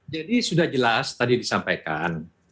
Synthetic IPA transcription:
d͡ʒadisudahd͡ʒəlast̪adidisampajka̰n

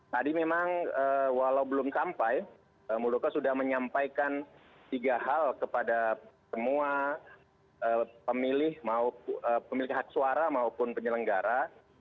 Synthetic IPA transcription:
t̪adimemaŋəwalaubəlʊmsampaj | əmuldokasudahməɲampajkan | t̪iɡaɦalkəpadasəmua | ʔəːpəmilɪhmauəpəmilɪɦak̚suaɾamaupʊnpəɲələŋɡaɾa

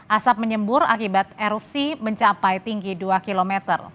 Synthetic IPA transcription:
ʔasap̚məɲəmbʊɾa̰kibat̪̚eɾup̚siməɲt͡ʃapajt̪iŋɡiduakilomet̪ə̰r

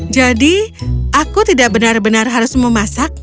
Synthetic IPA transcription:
d͡ʒadiʔakut̪idaʔbənarbənarɦaɾʊsməmasak̚

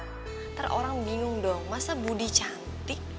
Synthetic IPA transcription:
t̪ərʔo̰ɾaŋbiŋʊŋdɔŋmasabudit͡ʃant̪ɪk̚

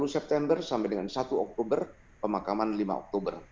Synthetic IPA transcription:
ulusɛp̚t̪ɛmbərsampɛjdəŋansat̪uɔk̚t̪obər | pəmakamanlima̰ɔ̰k̚t̪obər

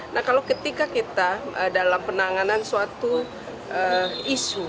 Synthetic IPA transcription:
nʔahkalowkət̪ikakit̪aədalampənaŋanansuat̪u | əisu

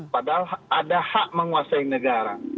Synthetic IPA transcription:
padaladahaʔməŋuasainəɡaɾa

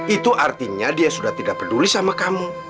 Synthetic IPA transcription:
it̪uʔart̪iɲadiasudaht̪idaʔ̚pədulisamakamu

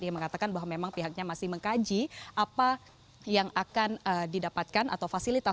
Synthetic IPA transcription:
ijaməŋat̪akanbaɦwamemaŋpiɦak̚ɲamasɪhməŋkad͡ʒiʔapa | jaŋakanədidapat̪̚kanʔa̰t̪awfasilit̪a

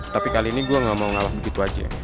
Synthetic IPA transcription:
t̪apikaliːniɡuaŋamawŋalahbəɡit̪uad͡ʒa̰

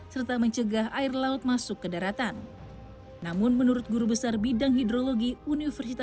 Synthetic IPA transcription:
sərt̪aməɲt͡ʃəɡaɦaɪrlaʊt̪̚masʊkːədaɾat̪anː | amʊnmənuɾʊt̪̚ɡuɾubəsarbidaŋɦidɾoloɡiunifərsit̪a

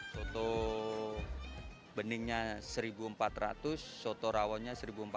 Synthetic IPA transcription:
sot̪o | bənɪŋɲasəɾibuəmpat̪ra̰t̪ʊsːot̪oɾawɔnɲasəɾibuəmpa

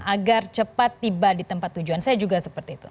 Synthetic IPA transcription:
ʔaɡart͡ʃəpat̪ːibadit̪əmpat̪ːud͡ʒuansajad͡ʒuɡasəpərt̪iːt̪u

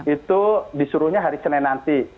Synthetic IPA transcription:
it̪udisuɾuhɲaɦaɾisənɛnant̪i

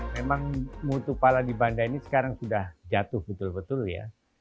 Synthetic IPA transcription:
memaŋmut̪upaladibandainisə̥kaɾaŋsudahd͡ʒat̪ʊhbət̪ʊlbət̪ʊlja̰

